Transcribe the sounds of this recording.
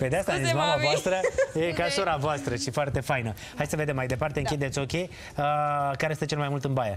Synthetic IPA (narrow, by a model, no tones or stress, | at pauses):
pe̞d̪east̪animamavoast̪ɾəjekasoɾavoast̪ɾəʃifoart̪e̞fajnə | hajd̪səved̪emːajd̪e̞part̪eɨŋkʲit̪d̪et̪sokʲe | əkaɾest̪ət͡ʃelmajmult̪ɨnbaja